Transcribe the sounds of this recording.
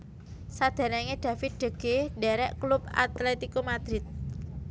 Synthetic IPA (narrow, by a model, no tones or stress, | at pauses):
sad̪̥ɛ̤ɾɛŋeɖ̪̥ä̤fɪt̪̚ɖ̥ə̤ɡ̥eɖɛɾɛʔklupa̰t̪lɛt̪ikomad̪̥ɾɪt̪̚